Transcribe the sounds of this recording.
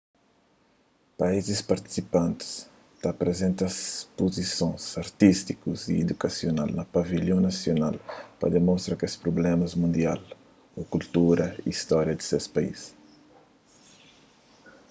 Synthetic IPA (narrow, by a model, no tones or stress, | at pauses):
paizɪspɐɾt̪i̥sipɐ̃nt̪ɪ̥s | t̪apɾezẽnt̪ɐspozisõj̃zɐɾt̪ist̪ikuzḭed̪ukɐsiona̰lnɐpaviʎõnɐsionalpɐ̰d̪emõst̪ɾɐkespɾoblɛ̃mɐzmũnd̪ial | okult̪uɾɐḭist̪ɔɾjɐd̪ɪ̥sespaḭs